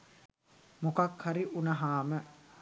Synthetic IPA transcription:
mukakhaɾiʔunɐɦaːmə

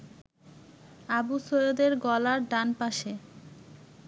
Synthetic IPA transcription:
abusojod̪eɾɡɔlaɾɖanpaʃe

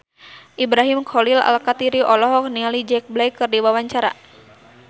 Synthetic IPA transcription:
ʔibɾaɦimkʰɔlila̰lkat̪iɾiʔɔlɔɦɔk̚nialid͡ʒɛk̚blajkːɨrdiwawaɲt͡ʃaɾa̰

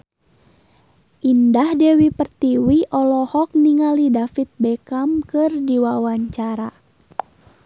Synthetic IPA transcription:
ʔindahdɛwipərt̪iwiʔɔlɔhɔk̚niŋalidafit̪̚bɛkamkɨrdiwawaɲt͡ʃaɾa

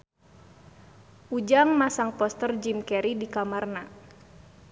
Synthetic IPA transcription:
ʔud͡ʒaŋmasaŋpɔst̪ərd͡ʒimkɛɾidikamarna

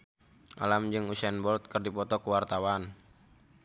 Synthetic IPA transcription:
ʔa̰lamd͡ʒɨŋusɛnbɔlt̪̚kɨrdipɔt̪ɔkuwart̪awan

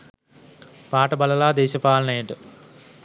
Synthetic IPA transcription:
paːʈɐbɐlɐlaːd̪eːɕɐpaːlɐneːʈɨ

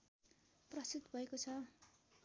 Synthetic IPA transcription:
prʌst̪ut̪bʱʌekot͡sʰʌ

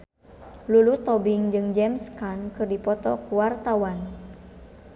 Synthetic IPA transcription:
lulut̪ɔbiŋd͡ʒɨŋd͡ʒɛmskankɨrdipɔt̪ɔkuwart̪awan

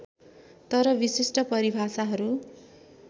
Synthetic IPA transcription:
t̪ʌɾʌbisisʈʌpʌɾibʱasaɦʌɾu

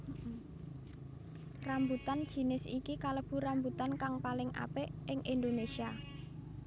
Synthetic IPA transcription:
rambut̪and̥ʒ̥i̤nɪsikikaləb̥ṳɾambut̪ankaŋpalɪŋʔa̰peʔɪŋʔind̪onesia

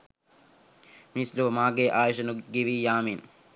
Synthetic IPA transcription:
mislomaːɡeʔaːjʃɐnuɡiʋijaːmin

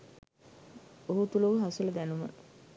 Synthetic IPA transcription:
oɦut̪uləʋəɦasulɐd̪ænumə̰

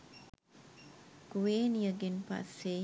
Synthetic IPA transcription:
kuwenjəɡinpa̰se

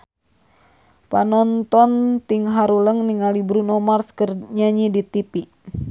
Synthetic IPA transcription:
panɔnt̪ɔnt̪iŋɦaɾuləŋniŋalibɾunɔmarskərɲaɲidit̪ipi

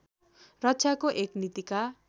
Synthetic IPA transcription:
rʌtːt͡sʰjakoʔeknit̪ika

